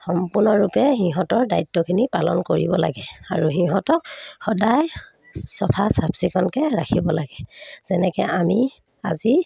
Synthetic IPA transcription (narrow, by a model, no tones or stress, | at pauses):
xɔmpunɔɹːupɛxiɦɔtɔɹdajtːɔkʰinipalɔ̰nkoɹḭbɔla̰ɡɛaɹuɦiɦɔtɔk̚xɔdaj | sɔpʰasabsikʰɔnkɛɹakʰibɔlaɡɛz̥ɛnɛkɛʔami | a̰zi